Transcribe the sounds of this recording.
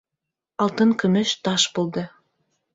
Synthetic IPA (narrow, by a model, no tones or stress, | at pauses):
ɑlˠt̪ɤnkɵ̆mɘ̆ʃt̪ɑʃbolˠd̪ɤ̆